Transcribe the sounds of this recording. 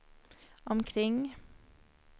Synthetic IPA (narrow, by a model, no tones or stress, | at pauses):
ʔɔmkʰɾɪŋ